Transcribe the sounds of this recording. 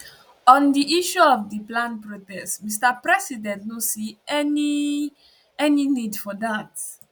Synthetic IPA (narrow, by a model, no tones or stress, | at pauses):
ɔ̃ndiʔiʃuɔfdiplãnpɹotɛstmistapɹɛsidɛ̃ntnosiɛni | ɛninidfɔdat